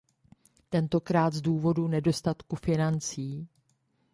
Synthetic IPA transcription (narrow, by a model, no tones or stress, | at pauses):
t̪ɛnt̪o̞kɾaːt̪zduːvo̞dunɛdo̞st̪at̪kufɪnant͡siː